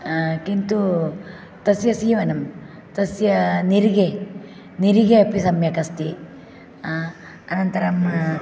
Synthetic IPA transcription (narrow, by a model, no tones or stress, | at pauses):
kint̪u | t̪ɐsjɐsiːʋɐnɐm | t̪ɐsjɐniɾiɡe | niɾiɡeɐpisɐmjɐkɐst̪i | ɐnɐnt̪ɐɾɐm